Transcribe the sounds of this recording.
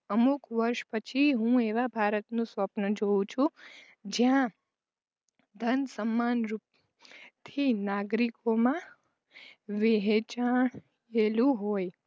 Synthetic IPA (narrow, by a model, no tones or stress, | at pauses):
əmukʋəɾʃpət͡ʃʰiɦũeʋabʱaɾət̪nũsʋəpnəd͡ʒoũt͡ʃʰũ | d͡ʒjã | d̪ʱənsəmːanɾup | t̪ʰinaɡɾikomã | ʋeɦet͡ʃaɳ | elũɦoj